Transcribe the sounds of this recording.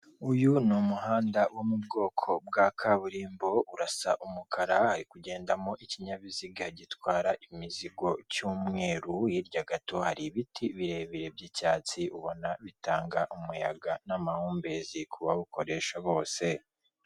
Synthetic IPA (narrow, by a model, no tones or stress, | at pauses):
ujunumuɦaːndawomub̚ɡo̞ːkʰo̞b̚ɡakʰaβuɾiːmbo̞uɾasa̰ʔumukʰaɾahaɾikuɟe̞ːndamo̞ʔiciɲaβiziɡahaɟitwaːɾaʔimiziɡo̞cuːmŋe̞ːɾujiɾɟaɡato̞haɾiβitʰiβiɾe̞βiɾe̞bɟicaːt͡siuβo̞naβitaːŋɡaʔumujaɡanamahuːmbe̞zikʰuβaβuko̞ɾe̞ʃaβo̞ːse̞